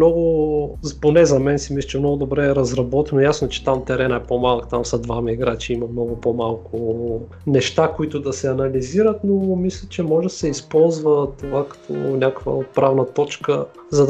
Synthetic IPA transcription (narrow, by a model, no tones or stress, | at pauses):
nɔɡʊponɛzɐmɛnsimislʲɐt͡ʃɛmnɔɡʊd̪obɾɛːɾɐzɾɐbɔt̪ɛnʊjasnot͡ʃɛ̥t̪amt̪ɛɾɛnaɛpomalˠəkt̪amsɐd̪vamɐiɡɾat͡ʃiimɐmnɔɡʊpomalˠkʊ | nɛʃt̪akʊit̪ʊd̪ɐsɛɐnɐliziɾət̪nomislʲɐt͡ʃɛmɔʒɛd̪ɐ̥sɛispɔlˠzvət̪ovakɐ̥t̪ʰɔ̰nʲakvə̰t̪pɾavnət̪ɔt͡ʃkə | zɐd̪